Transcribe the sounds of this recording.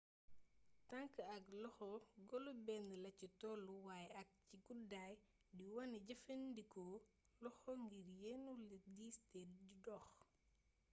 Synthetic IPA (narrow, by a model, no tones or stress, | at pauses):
tɐŋkəɐklɔxɔɡɔlubɛndlɐcitɔːluwaːjɛɐk̚ciɡudaːj | diwɐnɟɐfendikɔ | lɔxɔŋɡirjɛnulidistɛɟudɔx